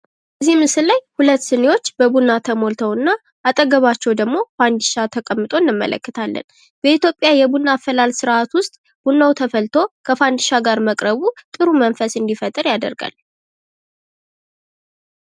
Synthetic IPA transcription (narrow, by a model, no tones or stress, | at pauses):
bbəzːihmɨsɨllajhulət̪ːsɨnewo̞t͡ʃːbəbunːat̪ʰəmo̞lt̪ʰəwɨnːa | ʔat̪ʼəɡəβat͡ʃːɛwd̪əɡmo̞fand̪iʃat̪ʰəkʼəmːɨt̪ʼo̞nːɨmːə̰lʔə̰kːət̪ʰalːə̰n | b̥əit̪jo̞pʼːjajɛbunːafəlalsɨɾʔat̪wʊst̪ʼ | b̥unːawt̪ʰəfəlt̪ʰo̞kʰəfand̪iʃaɡaɾməkʼɾəβut̪ʼɨɾumənfəsɨnd̪ifət̪ʼɨɾjad̪ə̰ɾɡa̰l